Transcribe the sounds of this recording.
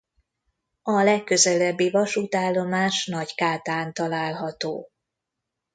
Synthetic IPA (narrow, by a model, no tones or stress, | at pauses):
ɒlɛkːøzɛlɛbːivɒʃut̪aːlːo̞maːʃnɒɟkaːt̪aːnt̪ɒlaːlɦɒt̪oː